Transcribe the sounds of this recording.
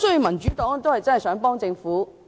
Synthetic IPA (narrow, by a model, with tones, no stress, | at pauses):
sɔː˨˥i˨˥mɐ˨˩nt͡ʃy˨˥t̪ɔː˨˥ŋt̪o˥whɐ˨jt͡sɐ˥˨˩sœː˨˥ŋpɔː˥ŋt͡sɪ˧ŋfuː˨˥